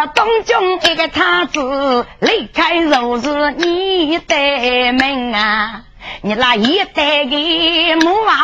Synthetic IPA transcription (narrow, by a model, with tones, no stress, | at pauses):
t̪ə˧˦ŋ͡mt͡ɕʊ˧ŋ͡mʔe˧ka˨˧jt̪ʰaː˧t̪ɨ˧˨li˧˥ka˧jzə˨˩wzɨ˧əɲi˧i˧˦ə˦t̪e˧˩e˨˩mɛ˧˩ŋ̟aː˨˧˩ | ɲə˨˩t̚laː˨˩hi˧˦ə˦t̪e˧˩ɣi˧˨mu˧˦vaː˧˦